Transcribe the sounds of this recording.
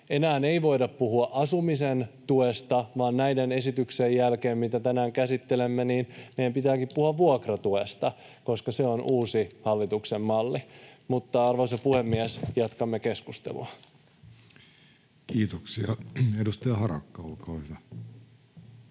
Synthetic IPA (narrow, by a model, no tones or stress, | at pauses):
e̞næːneiʋo̞idɑppuhuɑʔɑsumisent̪uest̪ɑʋɑːnnæjdene̞sit̪yksejːælkeːmmit̪æt̪ænæːŋkæsit̪ːelemːeniːnmejæmpit̪æːkippuhuɑʋʋuokrɑt̪uest̪ɑ | ko̞skɑseonʔuːsihɑlːit̪uksemːɑlːimut̪ːɑɑrʋɑsɑpuhemːiæsjɑt̪kɑmːekeskust̪ḛlṵɑ | kiːt̪oksiɑedust̪ɑjɑhɑrɑ̰kːɑolkoːhyʋæ